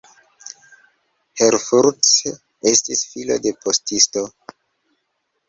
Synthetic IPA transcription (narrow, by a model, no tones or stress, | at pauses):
heɾfuɾds | e̞stisfilo̞̰de̞pʰostisto̞